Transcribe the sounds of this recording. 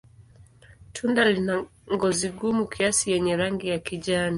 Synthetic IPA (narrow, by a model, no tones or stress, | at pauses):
tʰundalinaŋɡɔziɠumukʰiasijɛɲɛɾaŋɡijakiʄani